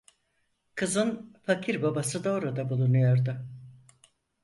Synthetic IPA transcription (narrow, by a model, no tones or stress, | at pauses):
kʰɯzɯnfacʰiɾbabasɯd̪aoɾad̪abulˠunujo̞ɾd̪ʊ